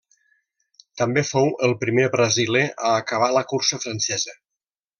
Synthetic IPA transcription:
t̪əmbefowʔəlˠpɾimeβɾəzileʔaːkəβ̞aləkuɾsəfɾansɛzə

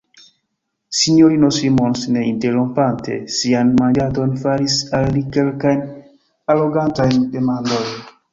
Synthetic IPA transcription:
siɲoɾinosimonsneinteɾompantḛsianmand͡ʒadonfaɾisalːikelkajn | aloɡantajndemandojn

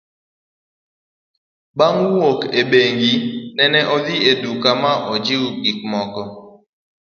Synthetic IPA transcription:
baŋwokeɓeŋɡinɛnɛʔɔd̪ɪedukamaʔɔd͡ʒɪwɡik̚mɔkɔ

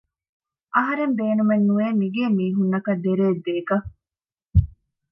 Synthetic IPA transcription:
ʔɐɦɐɾembeːnumenːueːmiɡeːmiːɦunːɐkɐd̪ːeɾeːd̪eːkɐ

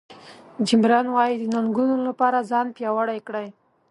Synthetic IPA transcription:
d͡ʒɪmɾɑnwɑjid̪ənaŋɡunolapɑɾazɑnpjɑwaɽajkɽaj

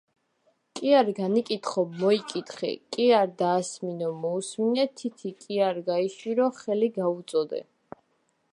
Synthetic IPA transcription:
kʼiaɾɡanikʼit̪χɔbmɔikʼit̪χɛ̰kʼiaɾd̪aːsminɔmɔusminɛt̪ʰit̪ʰikʼiaɾɡaiʃiɾɔχɛliɡaut̪sʼɔd̪ɛ̰

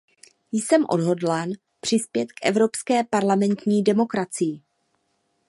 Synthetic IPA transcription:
jsɛmʔo̞̰dɦo̞dlan | pr̝̥ɪspjɛt̪kʔɛvɾo̞pskɛːpaɾlamɛnt̪ɲiːdɛmo̞kɾat͡sɪjɪ

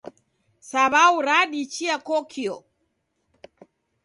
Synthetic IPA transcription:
saβauɾaɗit͡ʃiakɔkʰiɔ̰

